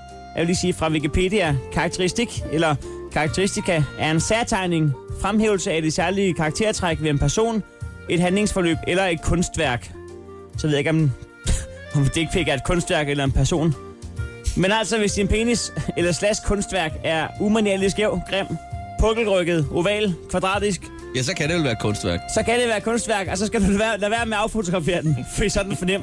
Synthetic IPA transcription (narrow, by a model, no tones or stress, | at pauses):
jæʋeliːsiːfʁɑ̈ʋikipʰe̝̰ːd̥iækʰɑ̈ɡ̥̚t͡sʰeʁisd̥iɡ̥elɐkʰɑ̈ɡ̥̚t͡sʰeʁisd̥ikʰæʔæɐe̝nsæɐt͡sʰɑ̈ɪne̝ŋfʁamɦḛːʊl̩səæd̥e̝sæɐlikʰɑ̈ɡ̥̚t͡sʰe̝ɐ̰t͡sʰʁaɡ̥ʋee̝npʰæɐso̝̰ːn | e̝d̥ɦænle̝ŋsfɒ̽lø̰ːb̥elɐe̝d̥̚kʰɔ̽nsd̥ʋæɐ̰ɡ̥ | sɒ̽ʋeðˠe̝ɡ̥ɒ̽m | ɒ̽md̥ee̝ɡ̥̚pʰeɡ̥ɐe̝d̥̚kʰɔ̽nsd̥ʋæɐɡ̥elɐe̝npʰæɐso̝̰ːn | menæl̰sɒʋe̝sd̥inpʰe̝niselɐslæsɡ̥̚kʰɔ̽nsd̥ʋæɐɡ̥æɐumænieɐlisɡ̥jeʊ̰ɡ̥ʁem̰pʰɔ̽ɡ̥l̩ʁœɡ̥ð̞̩ˠo̝ʋɛ̰ːlkʰʋɑ̈d̥ʁɑ̰̈ːd̥is̬ɡ̥ | jæsɒ̽kʰæde̝ʋelæːɐ̥kʰɔ̽nsd̥ʋæɐɡ̥sɒ̽kʰæɾ̥eʋæːɐkʰɔ̽nsd̥ʋæɐ̰ɡ̥ɒ̽sɒ̽sɡ̥æɾ̥uʋæːɐlæʋæɐmeɑ̈ʊfo̝t͡sʰo̝ɡ̥ʁɑ̈fe̝̰ːɐd̥en̩fisɒ̽d̥n̩fɒ̽nem̰